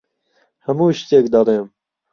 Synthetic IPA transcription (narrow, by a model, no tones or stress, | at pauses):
hɐmuːʃt̪ekd̪ɐɾeːm